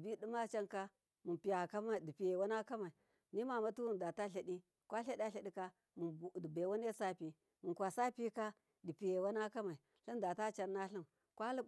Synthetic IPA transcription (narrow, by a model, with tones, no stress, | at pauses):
bi˦di˦ma˦t͡ʃa˦nka˦ | mu˨pi˨ja˨ka˦ma˨di˨pi˨je˨wa˦na˦ka˦ma˨i˨ | ni˦ma˨ma˦tu˦wu˦nda˨ta˦ɬa˨di˦ | kʷa˦ɬa˦ɗa˦ɬa˨ɗi˦ka˦ | mu˨di˨be˨wa˦ne˦sa˦pi˨ | mu˨nkʷa˨sa˦pi˦ka˦ | di˨pi˨je˨wa˦na˦ka˦ma˨i˨ | ɬi˦nda˨ta˦t͡ʃa˦nːa˦ɬi˦m | kʷa˦li˦